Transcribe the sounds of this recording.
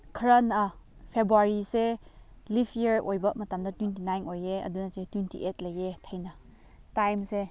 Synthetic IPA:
kʰəɾɐnapʰebɾuaɾise | lipʰjiɾʔojbɐmɐtamdɐtwintinajnojeɐ̰dunasetwintḭʔetlɐjetʰəjnɐ | tajmse

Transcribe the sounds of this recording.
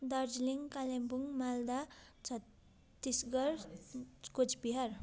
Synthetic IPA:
d̪ʌrd͡ʒliŋkalembuŋmald̪at͡sʰʌt̪ː | isɡʌɾ | kot͡sbiɦaɾ

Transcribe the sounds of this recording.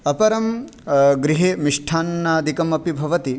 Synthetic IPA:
ɐpɐɾɐm | ɡɾiɦeːmiʂʈʰaːnːaːd̪ʱikɐmɐpibʱɐʋɐt̪i

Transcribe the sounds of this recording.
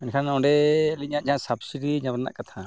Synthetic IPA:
ɛnkʰanɔɖɛːliɲaʔd͡ʒãsabsidiɲabɾna̰ʔkat̪ʰa

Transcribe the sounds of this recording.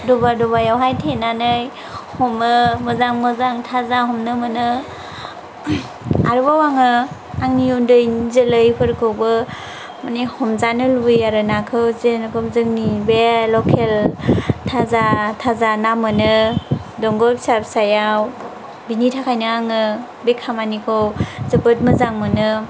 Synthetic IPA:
dɔbadɔbajawɦajtʰenanɯj | hɔmɯmɯzaŋmɯzaŋtʰazaɦɔmnɯmɯnɯ | aɾɯbawaŋɯ | aŋniundɯjnzelɯjpʰɯɾkʰɯwbɯ | manihɔmzanɯlujaɾɯnakʰɯwzenɡɔmzɯŋnibelɔkʰeltʰazatʰazanamɯnɯdɔŋɡɔpsap̚sajaw | binitʰakʰajnɯaŋɯ | bekʰamanikʰowzəbɯt̚mɯzaŋmɯnɯ

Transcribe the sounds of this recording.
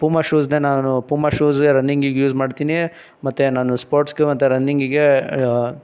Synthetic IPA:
pumaʃuːsnenaːnupuːmaʃuːzɡeɾɐnːiŋɡiɡjuːzmaːɖt̪iːni | mɐt̪ːenaːnuspoːɾʈsɡemɐt̪ːeɾɐnːiŋɡiɡe

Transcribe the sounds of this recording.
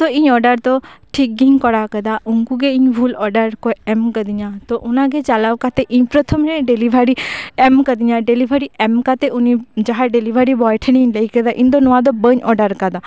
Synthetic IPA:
t̪oĩɲɔːɖəɾt̪oʈʰik̚ɡiŋkɔɽakəd̪auŋkuɡeiɲbʱulɔɾɖəɾkojemkəd̪iɲãt̪oʔʊnãɡet͡ʃalaʋkat̪eʔiɲpɾət̪ʰəmnẽɖeliʋʱaɾiemkəd̪iɲãɖelibʱəɾiemkat̪eʊnid͡ʒaɦaɖelibʱaɾibɔjʈʰənĩɲləikəd̪aʔĩnd̪onɔʋãd̪obəɲɔɖəɾkad̪a

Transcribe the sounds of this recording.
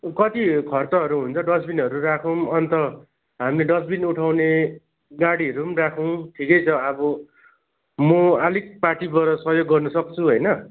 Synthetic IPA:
kʌt̪ikʰʌrt̪ʌɦʌɾuɦunt͡sʰʌɖʌsbinɦʌɾurakʰʌw̃ʌnt̪ʌ | ɦamleɖʌsbinuʈʰawne | ɡaɽiɦʌɾumrakʰʌw̃ʈʰikʌjt͡sʰʌʌbʌ | mʌalik̚parʈibʌɾʌsʌɦjoɡːʌrnʌsʌk̚t͡sʰuɦʌjnʌ

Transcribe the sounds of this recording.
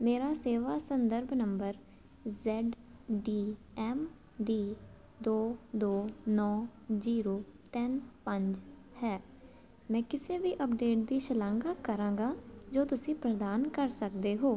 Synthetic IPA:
meːɾaːseːʋaːsənd̪əɾbnəmbəɾ | zɛːɖɖiː | ɛːm | ɖiː | d̪oːd̪oːnɔːziːɾoːt̪ɛnpəɲd͡ʒ | hɛː | mɛ̃ːkɪseːʋiːʔəp̚ɖeːʈ̚d̪iːʃəlãːŋɡaːkəɾãːŋɡaːd͡ʒoːt̪ʊsĩːpɾəd̪aːnkəɾsək̚d̪eːɦoː

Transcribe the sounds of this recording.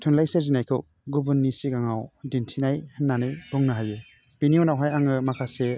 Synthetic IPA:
tʰunlajsezinajkʰɯw | ɡubɯnːisiɡaŋawdintʰinajhɯnːanɯjbuŋnɯɦajɯ | b̥iniɔnawɦajaŋɯmakʰase

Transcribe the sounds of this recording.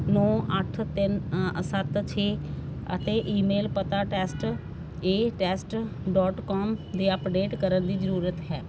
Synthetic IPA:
nɔ̃ːʔəʈʰt̪ɪnsət̪t͡ʃʰeːət̪eːʔiːmeːlpət̪aːʈɛːsʈ | eːʈɛːsʈɖɔːʈkɔːmd̪eːəpɖeːʈkəɾənd̪iːzəɾuːɾət̪ɦɛː

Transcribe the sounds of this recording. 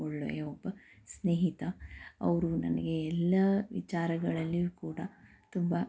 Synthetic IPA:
oɭːo̰eobːɐ | sneːɦit̪ɐɐ̰ʋɐɾunɐ̰nɐɡeɛlːɐʋḭt͡ʃaːɾɐɡɐɭɐlːiukuːɽɐ | t̪umbɐ

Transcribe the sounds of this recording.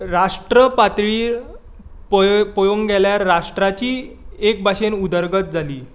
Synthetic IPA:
ɾaʂʈɾəpat̪ɭiː | ppojoŋɡɛljaɾːaʂʈɾat͡ɕiːek̚bʱaɕenud̪əɾɡət̪̚d͡zʱaliː

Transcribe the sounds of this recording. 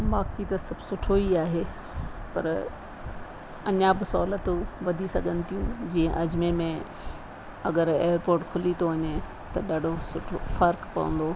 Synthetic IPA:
baːkit̪ɐsɐbʱsʊʈʰoiaːɦeː | pɐ̰ɾ | ɐɲãbɪsɔːlət̪ũʋɐd̪ʱisɐɡʱə̃nɪ̆t̪ʰijũd͡ʑiːə̃ʔɐd͡ʑmẽmẽ | ɐɡəɾeːəɾpoːɾʈkʰʊlit̪oʋɐɲe | t̪ɐɗaːɖʱosʊʈʰofɐɾkpɐ̰ʋə̰̃nd̪oː

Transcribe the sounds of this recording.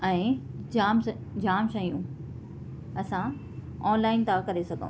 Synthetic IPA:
ɛ̃ːd͡ʑaːm | d͡ʑaːmʃɐijũ | ɐsã | ɔːnlaːɪnt̪ʰakɐɾesɐɡʱə̰̃

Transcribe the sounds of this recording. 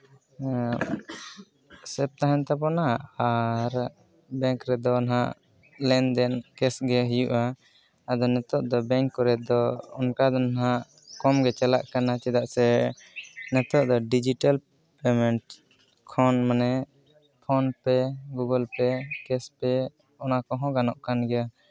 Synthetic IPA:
sɛp̚t̪aɦɛnt̪apɔnaaɾ | bɛ̃ŋkɾɛd̪ɔnaɦaʔ | lɛnd̪ɛnkɛsɡɛɦijuʔaː | d̪ɔnɛt̪ɔʔd̪ɔbɛŋkːɔɾɛd̪ɔɔnkad̪ɔnaɦaʔ | kɔmɡɛt͡ʃɛlaʔkanat͡ʃɛd̪aʔsɛ | nɛt̪ɔʔd̪ɔɖid͡ʒiʈal | pɛmɛɳʈ | kʰɔnmanɛ | pʰɔnpɛɡuɡəlpɛkɛspɛ | ɔnakɔɦɔ̃ɡanɔʔkanɡɛa

